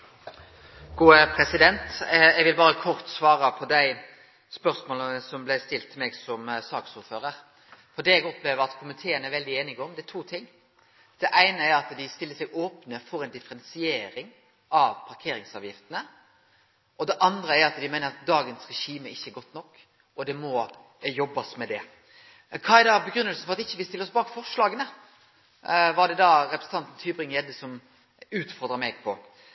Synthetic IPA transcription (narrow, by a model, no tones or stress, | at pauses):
ɡ̥uːəpʰɾɛsɪd̪ɛnt̪ɛɡʋɪlbɑːɾəkʰɔɾt̪sʋɑːɾəpʰɔd̪æɪ | spœɾsmoːlənəsɔmblæɪst̪ɪlt̪ʰːɪlmeːɡsɔmsɑːksuːɾføːɾəɾ | fɔd̪ɛːɛɡɔpleːʋəɾɑt̪kʰʊmɪt̪ʰeːənəæɾʋɛld̪ɪeːnɪɡəɔmd̪ɛæt̪ʰʋuːt̪ʰɪŋː | d̪̥ɛʔæɪnəæɾɑt̪d̪ɪst̪ɪlːəsɛɡoːpnəfɔɾɛɪnd̪ɪfəɾɛnsɪeːɾɪŋ | ɑʋpʰɑɾkʰeːɾɪŋsɑːʋjɪft̪ənə | ʔɔd̪ɛʔɑnd̪ɾəæɾɑt̪d̪ɪmæɪnəɾɑt̪̚d̪ɑːɡənsɾɛʃiːməɪçːəɛɾɡɔt̪ːnɔkː | ɔd̪ɛmɔ | jɔbːɑsmɛd̪ɛ | kʰɑæd̪ɑbəɡɾʏnːəlsəfɔɾɑt̪ɪçːəʋɪst̪ɪlːəɾɔsbɑːkfɔʂlɑːɡənə | ʋɑɾɖ̪ɛd̪ɑɾɛpɾəsn̩ʰɑnt̪n̩t̪ʰyːbɾɪŋjɛd̪əsɔm | ʉːt̪fɔɾd̪ɾəmɛɡpʰɔ